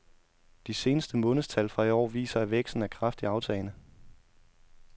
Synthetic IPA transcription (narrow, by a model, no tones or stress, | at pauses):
d̥ise̝ːnəsd̥əmɔ̽ːnð̩ˠst͡sʰælfʁɑ̈iɒ̰ːʋḭːsɐæʋeɡ̥sd̥n̩ækʰʁafd̥iɑ̈ʊt͡sʰɛːnə